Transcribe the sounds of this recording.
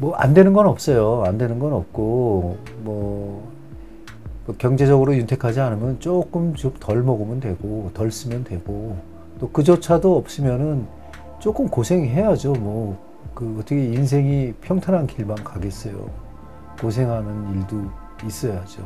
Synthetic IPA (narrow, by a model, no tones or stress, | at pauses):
mwʌʔa̰ndwenɯnɡʌnʌp̚s͈ʌjoandwe̞nɯnɡʌnʌp̚k͈o | mwʌ | kjʌŋd͡ʑe̞d͡ʑʌɡɯɾojuntʰe̞kʰad͡ʑianɯmjʌnt͡ɕ͈ok͈ɯmt͡ɕomtʌɭmʌɡɯmɯndwe̞ɡotʌɭs͈ɯmjʌndwe̞ɡo | t͈okɯd͡ʑot͡ɕʰadoʌp̚s͈ɯmjʌnɯn | t͡ɕ͈ok͈ɯmkosʰe̞ŋɦe̞jad͡ʑomwʌ | kɯʌtʰʌkʰeins̬ʰe̞ŋipʰjʌŋtʰanankʰiɭmankaɡe̞s͈ʌjo̰ | kos̬ʰe̞ŋɦanɯniɭdu | is͈ʌjad͡ʑo